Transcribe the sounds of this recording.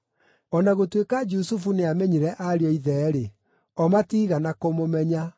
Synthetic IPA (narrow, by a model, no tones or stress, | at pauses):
ɔnaɣotwekad͡ʒusufuneamɛɲiɾɛʔaɾeɔiðɛɾe | ɔmatiːɣanakomomɛɲa